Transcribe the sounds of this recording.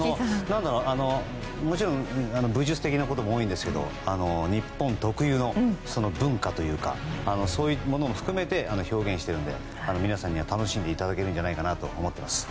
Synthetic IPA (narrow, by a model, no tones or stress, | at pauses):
anonãnd̪aɾo̞ːʔano̞ | mo̞t͡ɕiɾõŋano̞bɯ̟ʑɨt͡sɨ̥t̪e̞kʲinako̞t̪o̞moːĩnd̪e̞sɨ̥ke̞d̪o̞̰ | ano̞ɲ̟ipːõ̞nt̪o̞kɯ̟jɯːno̞so̞no̞bɯ̟̃ŋkat̪o̞jɯ̟ːka̰ːnoso̞ːjimo̞no̞moɸɯ̟̥kɯ̟me̞t̪e̞ʔano̞ço̞ːɡẽ̞ɰ̃ɕi̥t̪e̞ɾɯ̟no̞d̪e̞̰ | ano̞mʲinasãɲ̟ːiβat̪ano̞ɕĩnd̪e̞it̪ad̪ake̞ɾɯ̟n̟d͡ʑanaikanat̪o̞ːmo̞t̪ːe̞masɨ̥